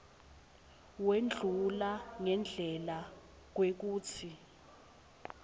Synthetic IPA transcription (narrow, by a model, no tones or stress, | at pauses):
wend͡ɮʱulaŋɛnd͡ɮʱɛla | k̬wek̬uːt͡sʰi